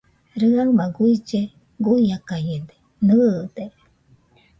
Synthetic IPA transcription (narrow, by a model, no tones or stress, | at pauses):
ɾɨaŋmaɡuit͡ʃe | ɡuijakaɲend̪e̥ | nɨːd̪e